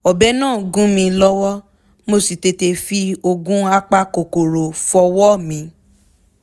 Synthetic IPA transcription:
ɔ˨bɛ˦nãː˦˨ɡũ˦mĩ˧lɔ˦wɔ˦ | mo˦˨si˨te˧te˧fi˧o˧ɡũ˦a˦k͡pa˧ko˨ko˨ɾo˨fɔ˧wɔ˦mĩ˧˦

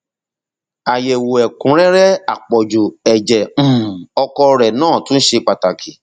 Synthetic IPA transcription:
a˨je˨wo˨ɛ˨kũ˨˦ɾɛ˦ɾɛ˦a˨k͡pɔ˨d͡ʒu˨ɛ˨d͡ʒɛ̃˨ɔ˧kɔ˧ɾɛ˨nãː˦˨tũ˦n̩˦ʃe˧k͡pa˨ta˨ki˨

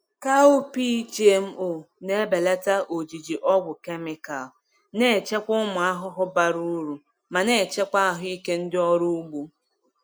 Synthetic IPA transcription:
ka˦u˦pi˦t͡ʃe˦m̩˦ʔʊ˨ne˦be˨le˦ta˦ʔo˨d͡ʒi˨d͡ʒi˨ʔɔ˦ɡʷʊ˨ke˦mɪ˦ka˨l | ne˦˨t͡ʃe˦kʷʊ˦mʊ˨a˦ɦʊ˦ɦʊ˦ba˦˨ɾu˦ɾu˨ | ma˨ne˨t͡ʃe˦kʷa˦a˦ɦʊ˦i˦ke˦n̩˦dɪ˦ɔ˦ɾu˦ɡ͡bu˦

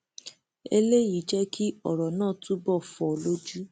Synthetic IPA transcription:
e˧le˦ji˨˦d͡ʒɛ˦kʰi˦ɔ˨ɾɔ˨nãː˦˨tũ˦bɔ˦˨fɔ˨lo˦d͡ʒu˦

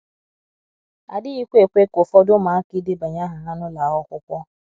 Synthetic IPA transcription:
a˨di˦i˦kʷe˦˨k͡pe˦ko˨fɔ˧do˦mãː˨˦ki˦de˦ba˨ɲã˦ɦã˨ɦã˧˦nũ˦la˨˦wɔ˧˦kʷɔ˧kʷɔ˧˦

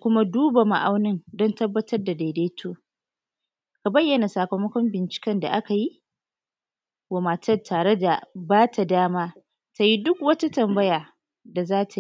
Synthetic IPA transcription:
kʷʊ˦ma˦duː˦ba˨ma̰˨ʔa˦wnɪ˦ndɔ˦ntɐ˦bːɐ˦tʰɐ˦rda˨da˨de˦tʰoː˦ | ka˨bɐ˦jːɐ˨na˨saː˨kɐ˨mɐ˦kʷɔ˦mbɪ˨nt͡ʃɪ̥˨kɐ˦nda̰˨ʔa˦ka˨ji˦ʔ | wa˨ma˨tɐ˦tʰaː˨ɽe˦da˨baː˦tʰa˨daː˦maː˦ | ta˨ji˦dʊ˦kwɐ˦ta˦tɐ˨mbɐ˦jaː˨ | da˨zaː˦tʰa˨˦

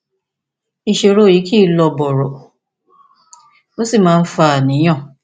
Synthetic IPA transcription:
i˧˨ʃe˧ɾo˦ji˨˦ki˦lɔ˧bɔ˨ɾɔ˨ | o˦si˦˨mãː˦˧n̩˦fa˦˨nĩ˨˦j̃ã˦˨

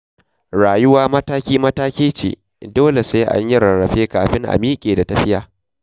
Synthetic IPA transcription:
ɽaː˨jʊ˦waː˦mɐ˦taː˦kʲiː˦mɐ˦taː˦kʲeː˦t͡ʃḛː˨ | doː˦le˨saː˦ʔa̰˦ɲjɪ˦ɾɐ˨ɽɐ˨ɸeː˦ka̰ː˨ɸɪ˦ŋʔa̰˨miː˦kʲʼeː˨da˨tɐ˦ɸɪ˦jaː˨

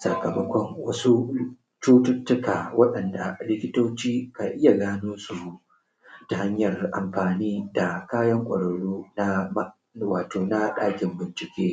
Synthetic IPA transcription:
sɐ̰˨kɐ˨mɐ˦kʷɔ˦ŋwɐ˦su˦ | t͡ʃuː˦tʊ˦tːʊ˦kaː˨wɐ˦ɗɐ˨nda̰˨lɪ˦kʲɪ˦toː˦t͡ʃiː˦ka˨ʔɪ˦ja˨ɡaː˦noː˦su˨˦ | ta˨ha˦ɲjɐ˨rʔa̰˨mɸaː˨niː˦da˨kaː˦jɐ˦ŋkʷʼɐ̰˨ɽɐ˨ɽuː˦na˦ | waː˨toː˨na˦ɗaː˦kʲɪ˨mbɪ˨nt͡ʃɪ˨kʲeː˦

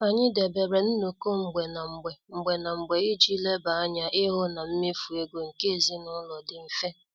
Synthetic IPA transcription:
a˨ɲɪ˦de˨be˨bɾe˨n̩˦no˨ko˦ŋ͡m̩˨ɡ͡be˨na˨ŋ͡m̩˨ɡ͡be˨ŋ͡m̩˨ɡ͡be˨na˨ŋ͡m̩˨ɡ͡be˨i˦d͡ʒi˦le˦ba˨a˦ɲa˨ʔɪ˦ɦʊ˦na˨m̩˦mɪ˦fu˨e˦ɡo˨ŋ̩˨ke˦e˨zi˦nʊ˦lɔ˨dɪ˨m̩˨fe˦

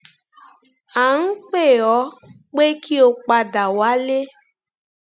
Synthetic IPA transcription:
a˨˦n̩˦k͡pe˦˨ɔ˨˦ | k͡pe˦ki˦o˧k͡pa˧da˨wa˨˦le˦

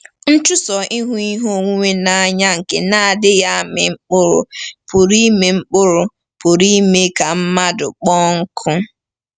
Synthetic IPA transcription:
n̩˦t͡ʃʊ˦sɔ˨ʔi˦ɦu˦i˦ɦo˦˨ŋʷu˦ŋʷe˦na˨a˦ɲa˦ŋ̩˨kḛ˨na˦a˨dɪ˦ja˦mɪ̰˨ŋ͡m̩˦k͡pʊ˦ɾʊ̰˨pʊ˨ɾi˦me˨ŋ͡m̩˦k͡pʊ˦ɾʊ˨ | pʊ˨ɾi˦me˦ka˨m̩˦ma˦dʊ̰˨k͡pɔ˦ŋ̩˦kʰʊ˦

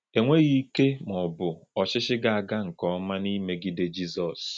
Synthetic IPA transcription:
e˨ŋʷe˦ɣi˦ke˦m˨ɔ˨bʊ˨ɔ˨ʃɪ˦ʃɪ˦ɡa˨a˨ɡa˦ŋ̩˨kɔ˦ɔ˦ma˦ni˦me˦ɡi˦de˦d͡ʒi˦zɔ˨s

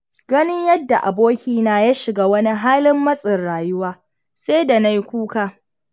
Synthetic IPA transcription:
ɡɐ˦nɪ˦ɲjɐ˦dːa˨ʔa˨boː˦kʲiː˨naː˨jaː˦ʃɪ˨ɡaː˦wɐ˦ni˦ɦaː˦lɪ˦mːɐ˦sʼɪ˨rɽaː˨jʊ˦waː˦ | seː˦da˨na˦jkʷuː˦ka˨

